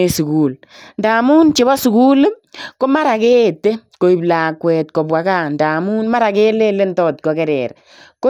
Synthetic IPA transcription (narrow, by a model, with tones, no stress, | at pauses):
e˨su˨kuː˨l | ndaː˨mu˦nt͡ʃe˨˦bɔ˦su˨kuː˦lko˦ma˦ɾa˨ke˦˨te˦ko˨i˨blaː˨kwɛː˨t̚ko˨bwa˨ka˦˨nda˨mu˦nma˦ɾa˨ke˦le˦le˦ntɔ˦˨t̚kɔ˨kɛ˨ɾɛ̰˨ɾ | ko˦